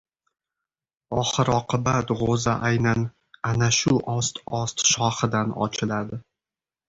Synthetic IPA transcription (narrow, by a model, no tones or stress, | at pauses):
ɒχɨɾɒqʰɨbat̪ʁozaʔajnan | anaʃʊʔɒst̪ɒst̪ʃɒχɨd̪anɒ̰t͡ʃʰɪlad̪ɪ